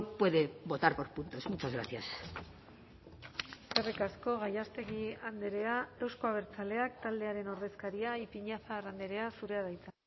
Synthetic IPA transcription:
pwe̞ðe̞bo̞t̪aɾpo̞ɾpunt̪o̞smut͡ʃazɣɾa̰θjas | serikasko̞ɣ̞ajast̪e̞ɣiand̪eɾe̞ae̞wsko̞aβ̞e̞ɾt͡sale̞akt̪ald̪e̞aɾe̞no̞ɾðe̞skaɾiaipiɲafarand̪eɾe̞asuɾe̞aðajt͡sa

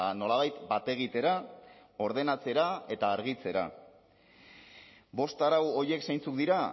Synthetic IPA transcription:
no̞laβajt̪bat̪e̞ɣ̞it̪e̞ɾao̞ɾð̞e̞nat͡se̞ɾae̞t̪aːɾɣ̞it͡se̞ɾa̰ | bo̞st̪aɾawo̞je̞ksajnt͡suk̚d̪iɾa

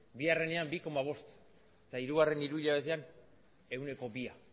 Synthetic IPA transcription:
biare̞ne̞ambiko̞maβ̞o̞st̪ | et̪aiɾuɣ̞are̞niɾuiʎaβ̞e̞t̪e̞an | e̞wne̞ko̞bia

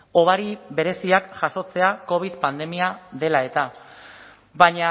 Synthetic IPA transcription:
o̞β̞aɾiβe̞ɾe̞siakʝaso̞t͡se̞ako̞β̞iðpand̪e̞miaðe̞lae̞t̪a | baɲa

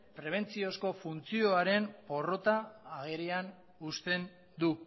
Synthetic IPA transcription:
pɾe̞β̞e̞nt͡sio̞sko̞funt͡sio̞aɾe̞mpo̞ro̞t̪aːɣeɾean | ust̪e̞n | d̪u

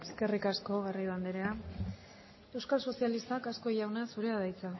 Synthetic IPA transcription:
eske̞rikasko̞ɣariðuand̪eɾea | e̞wskalso̞sialist̪akasko̞ʝawneasuɾeaðajt͡sa

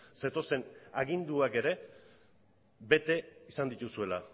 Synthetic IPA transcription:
se̞t̪o̞se̞naɣind̪uake̞ɾe̞ | be̞t̪e̞isand̪it̪usue̞la

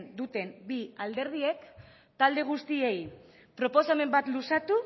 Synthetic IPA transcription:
nd̪ut̪e̞mbiald̪e̞ɾð̞ie̞k | t̪ald̪e̞ɣ̞ust̪iej | pɾo̞po̞same̞mbat̪lusat̪u

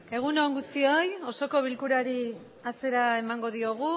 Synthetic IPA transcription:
e̞ɣ̞unoŋɡust̪io̞jo̞so̞ko̞β̞ilkuɾaɾi | ase̞ɾae̞maŋɡo̞ðio̞ɣ̞u

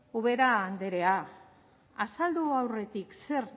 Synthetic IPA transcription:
uβ̞e̞ɾaːnd̪e̞ɾe̞a | asald̪uawre̞t̪ikse̞r

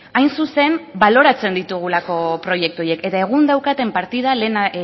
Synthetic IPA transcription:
ajnsuse̞mbalo̞ɾat͡se̞nd̪it̪uɣ̞ulako̞pɾo̞je̞k̚t̪uo̞je̞ke̞t̪ae̞ɣ̞und̪awkat̪e̞mpaɾt̪ið̞alen

